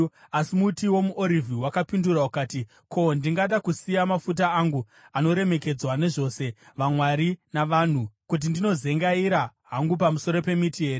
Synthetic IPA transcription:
asimutiwo̞muʔoɾivʱiwakapinduraukaːti | kʰo̞ndiŋɡaɗakusijamafut̬aaŋɡu | ano̞ɾe̞me̞ke̞d͡zwane̞ʐo̞se̞ʋamwaɾinaʋan̤ukut̬indino̞ze̞ŋɡaiɾaɦaŋɡup̬amuso̞ɾo̞pe̞mitiɦe̞ːɾe

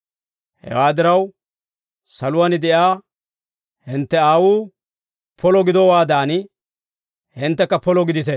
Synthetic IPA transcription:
hɛ̰waːd̪ɪɾɐw | sɐlʊwanɪd̪ɛʔjaː | hɪnt̪ːɛaːwuː | pʰɔlɔɡɪd̪ɔwaːd̪aːnɪ | hɪnt̪ːɛkːɐpɔlɔɡɪd̪ɪt̪ɛ

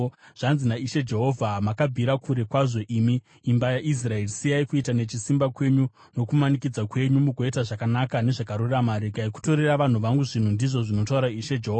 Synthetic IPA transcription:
ʐ̥anzinaiʃe̞d͡ʒeɦo̞vʱamakabʱiɾakuɾe̞kwaʐo̞ʔimiː | mbajaʔis̬rae̞risiaikuitane̞t͡ʃisimbakwe̞ɲu | no̞kumanikid͡zakwe̞ɲumukoetaʐakanakane̞ʐakaɾuramaɾekaiku̥to̞ɾeraʋan̤uʋaŋɡuʐin̤undiʐo̞ʐino̞tauɾaiʃed͡ʒeɦova

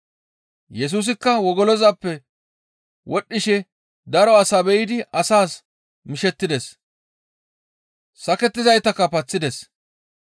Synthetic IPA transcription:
jɛs̬uːs̬ɪkːɐwɔɡɔlɔzɐpːɛ | wʔɔɗːɪʃɛ | d̪ɐɾɔɐsɐbɛjɪd̪ɪʔɐsaːs | mɪʃɛt̪ːɪd̪ɛs | sɐkɛt̪ːɪzɐjt̪ɐkːɐpɐt͡sːɪd̪ɛs

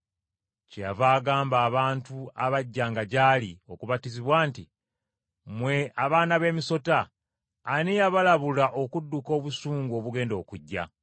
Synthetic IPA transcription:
cejavaːɡaːmbaːβaːntuaβaɟːaːŋɡaɟalio̞kuβatiziβwaːnti | mwe̞aβaːnaβe̞ːmiso̞taː | nijaβalaβulaʔo̞kudːuko̞ːβusuːŋɡo̞βuɡe̞ːndo̞ːkuɟːa̰

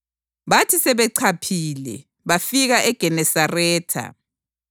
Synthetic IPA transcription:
βatʰisɛβɛǀʰapʰilɛ̰ | βafiɣaʔɛɡ̥ʱɛnɛsarɛːtʰa̰

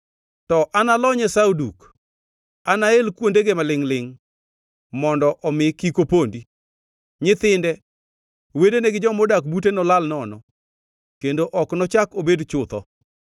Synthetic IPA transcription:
tɔʔanalɔɲɛsauduk | anaelkwondeɡemalɪŋlɪŋ | mɔndɔʔɔmɪkikopondi | ɲɪt̪ɪndɛ | wedeneɡɪd͡ʒɔmɔdakbutenɔlalnɔnɔ | kendoʔɔknɔt͡ʃakobedt͡ʃʊt̪ɔ̰

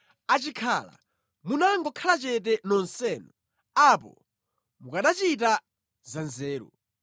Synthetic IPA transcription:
at͡ʃikʰala̰ | munaŋɡɔkʰalat͡ʃɛt̬ɛnɔnsɛːnɔ | apɔ̰ | mukaɗat͡ʃit̬a | zanzɛːɾɔ̰

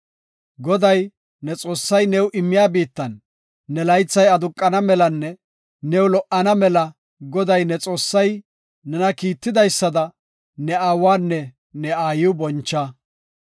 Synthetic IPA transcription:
ɡɔd̪ɐj | nɛt͡sʼo̞ːsːɐjnɛwʔɪmːɪjaːbiːt̪ːɐnː | ɛlɐjt͡sːɐjɐd̪ʊkʼːɐnɐmɛlɐnːɛ | nɛwlɔʔɐnɐmɛlɐ | ɡɔd̪ɐjnɛt͡sʼo̞ːsːɐj | nɛnɐkiːt̪ːɪd̪ɐjsːɐd̪ɐ | nɛaːwaːnːɛ | nɛaːjɪwʊbɔnt͡ʃːɐ

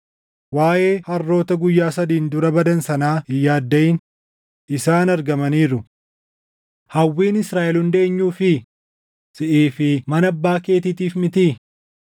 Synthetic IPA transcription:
waːʔe̞ːhɐrːo̞ːt̪ɐɡʊjːaːsɐd̪iːnd̪ʊɾɐbɐd̪ɐnsɐnaːɪjːaːd̪ːɐʔɪn | ʔɪsaːnɐɾɡɐmɐniːɾʊ | hɐwːiːnɪsɾaːʔɛlʊnd̪e̞ːɲːuːfɪ | sɪʔiːfɪmɐnɐbːaːke̞ːt̪ɪt̪iːfmɪt̪i

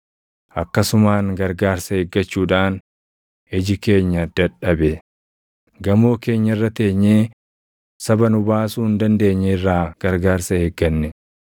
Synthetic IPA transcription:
ʔɐkːɐsʊmaːŋɡɐɾɡaːɾsɐheːɡːɐt͡ʃːuːᶑaːn | ɪd͡ʒɪke̞ːɲːɐd̪ɐᶑɐbɛ | ɡɐmo̞ːke̞ːɲːɐrːɐt̪e̞ːɲːeː | sɐbɐnʊbaːsuːɪnd̪ɐnd̪e̞ːɲːɛɪrːaːɡ̥ɐɾɡaːɾsɐheːɡːɐnːɛ

